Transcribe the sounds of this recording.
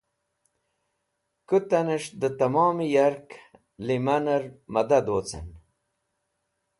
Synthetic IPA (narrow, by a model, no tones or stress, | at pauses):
kut̪anəʂd̪ət̪amɑːmijaɾk | limanɐɾmɐd̪ad̪oːt͡sḛn